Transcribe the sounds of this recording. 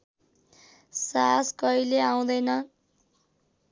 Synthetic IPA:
saskʌileaw̃d̪ʌjnʌ

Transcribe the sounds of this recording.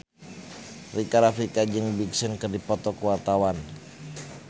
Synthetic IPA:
rikaɾafɾikad͡ʒəŋbiksənkərdipɔt̪ɔkuart̪awan

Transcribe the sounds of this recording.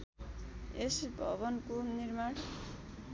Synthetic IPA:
esbʱʌ̰βʌnkoniɾmaɽ

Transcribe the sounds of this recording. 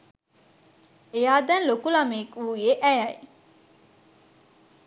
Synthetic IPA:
ejaːd̪ɛnlokulamekuːjeʔæjɐj

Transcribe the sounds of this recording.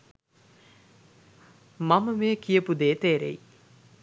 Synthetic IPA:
maməmeəkijəpud̪eːt̪eːɾḛi

